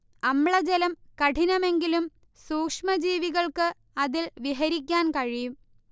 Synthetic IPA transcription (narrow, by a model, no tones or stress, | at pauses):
ɐmɭɐd͡ʑelɐmkɐʈʰinɐme̞ŋɡilum | suːkʂmɐd͡ʑiːʋiɣɐɭkɨ | ɐðilʋiɦɐɾikʲːaːnkɐɻijum